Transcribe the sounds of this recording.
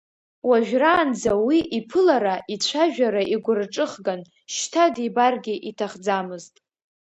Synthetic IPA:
waʒᶣraːnd͡zawiʔipʰɨlaɾaʔit͡ɕʷʰaʒᶣaɾaʔiɡʷʊrʈ͡ʂʼɨχɡan | ʃtʰadibarɡʲiʔitʰaχd͡zamɨztʼ

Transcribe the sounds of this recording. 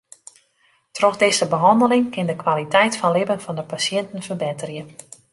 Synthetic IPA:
trɔxdɪsəbəɦɔndəlɪŋkɪndəkwalitɛjtfɔnlɪbənfɔndəpasjɛntən̩fərbɪtərjə

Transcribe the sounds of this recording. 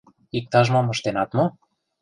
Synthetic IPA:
ik̚t̪ɑʒmomɤ̆ʃt̪enɑt̪mo

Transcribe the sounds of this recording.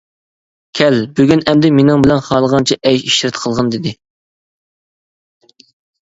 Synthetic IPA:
kʲʰɛlbøɡʲynɛmd̪ɪmenɪŋbɪlɛnχɑːlˠəʁɑnt͡ʃʰiʔɛjʃiʃɪɾɪt̪qʰəlˠʁɑnd̪ɪd̪ɪ

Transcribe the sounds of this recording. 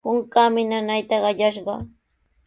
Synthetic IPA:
ʊŋkamɪnanajt̪ɑɢɑʎaʃɢɑ̰

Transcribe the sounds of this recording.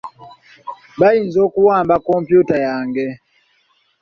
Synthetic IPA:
bainzokuwaːmbakɔmpjutajaːŋɡɛ

